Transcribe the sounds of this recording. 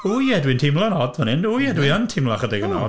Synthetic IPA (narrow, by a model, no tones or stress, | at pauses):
ujɛdwɪntʰɪmlˠɔnɔdvənɪnujɛdwɪəntʰɪmlˠaχədɛɡənɔ̰